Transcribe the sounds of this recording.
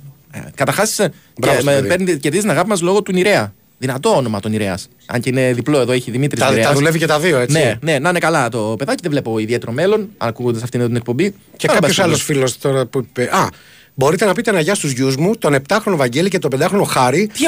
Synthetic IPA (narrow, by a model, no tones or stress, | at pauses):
kɐt̪ɐɾxɐsi̥s | bɾɐpeɾnce̞ɾðiziznɐɣɐpimɐzlo̞ɣo̞t̪uniɾe̞ɐ | ðinɐt̪o̞ono̞mɐt̪o̞niɾeɐs | ɐ̰ɲceine̞ðiplo̞eðo̞eçiðimit̪ɾisɐɾeɐðule̞vicet̪ɐðioenne̞ne̞nɐne̞kɐlɐt̪o̞pe̞ðɐciðevle̞po̞iðie̞t̪eɾo̞me̞lo̞nɐkuɣod̪ɐsɐft̪int̪inek̚po̞mbi | cekɐpbɐçosɐlosfilost̪oɾɐpupeɐ | bo̞ɾit̪enɐpit̪enɐʝɐst̪uzʝuzmut̪o̞ne̞p̚t̪ɐxɾonovɐɲɟe̞licet̪ope̞nd̪ɐxɾo̞no̞xɐɾit̪i